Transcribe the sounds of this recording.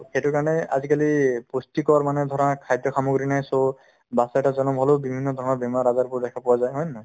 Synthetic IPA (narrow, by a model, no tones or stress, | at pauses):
xetukaɹɔnɛa̰zikalipustikɔɹmanɛd̪ʱɔɹɔnakʰajd̪ɔkʰamuɡɹinajso | basaɛtazɔnɔmɦɔlobibʱinːɔd̪ʱɔɹɔnɔbɛmaɾazaɹpʊɹdɛkʰapɔwazajɦɔjnnɔ